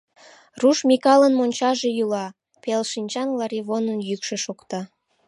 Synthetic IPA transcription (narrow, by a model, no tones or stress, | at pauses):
ruʃmʲikɑlənmonʲt͡ɕɑʒe̽jylɑ | pelʃinʲt͡ɕɑnlɑɾiβonənjykʃeʃokt̪ɑ